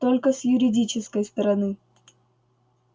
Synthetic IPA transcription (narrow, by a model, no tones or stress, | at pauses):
t̪olʲkəsjʊɾʲɪdʲit͡ɕɪskəjst̪ɾɐnɨ